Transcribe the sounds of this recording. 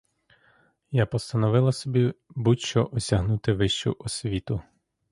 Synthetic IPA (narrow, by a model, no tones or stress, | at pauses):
japɔst̪ɐnɔʋɪlˠɐsɔbʲibuʃt͡ʃɔʔɔsʲɐɦnut̪ɪʋɪʃt͡ʃʊ̰ʔɔsʲʋʲit̪ʊ